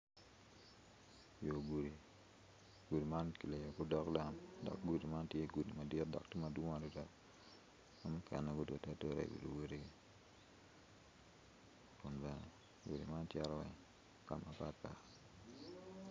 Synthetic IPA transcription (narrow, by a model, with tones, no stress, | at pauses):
jo˨ɡu˨ɾi˨ | ɡ̥u˨di˨ma˦nki˨le˨jo˨kʊ˦dɔ˦kda˦mdɔ̰˨k̚ɡu˨di˨ma˦ntje˦ɡu˨di˨ma˨dɪ˦tdɔ̰˨k̚ti˦ma˨dwʊ˦a˨ɾi˦dɔ˦k | mamʊ˦kʰɛ˨nːɛ˨kʊ˦dwo̰˨ta˦to˦ɾḛ˨wḛ˨du˨wo˦di˦ɡi˦ | kʊ˨nbɛ˨nɛ˨ | ɡṵ˨dḭ˨ma˦ntjɛ˦ɾɔ˦wɛ̰˨ŋ | ka̰˨ma˨pa˦t̚pa̰˨